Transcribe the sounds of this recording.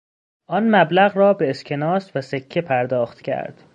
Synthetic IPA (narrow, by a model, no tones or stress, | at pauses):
ʔɒnmæblæɣɾɒːbe̞ːscʰe̞nɒːsvæsecʰːepʰæɾd̪ɒːxt̪cʲʰæ̰ɾd̪̥